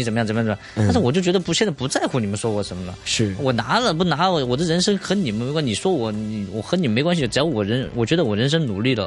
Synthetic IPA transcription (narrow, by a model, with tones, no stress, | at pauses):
i˧˥t͡sə˨˩mə˧jə˨˩˧jt̪ʂ̩˥˩wɔ˨˩t͡ɕo˥˩ʊt͡ɕɥɛ˧˥ə˧pu˧˥ɕjɛ˥n˥˩pu˧˥t͡sa˥˩ɪxu˥˩ni˨˩mə˧˦nʂwɔ˥wɔ˧˩ʂə˧˥nmə˧nə̰˩ʂ̩˥˩wɔ˨˩na˧˥lə˧pu˥˩na˧˥lwɔ˨˩d̪ə˦˧ɻə˧˥nʂɤ˥ŋxɤ˧˥ni˨˩mə˥nm˧ɪkwa˥˩˧i˨˩ʂwɔ˥wɔ˧˩˥ni˨˧˩wɔ˨˩xɤ˧˥ni˨˩m˧m˧˥kwa˥nɕi˧˩ʈ͡ʂɻ̩˨˧˩jɑ˧˥wɔ˨˩ɻə˧˥nwɔ˨˩t͡ɕɥɛ˧˥d̪ə˧wɔ˨˩ɻə˧˥nʂ̬ɤ˥ŋnu˨˩li˥˩d̪ə̰˩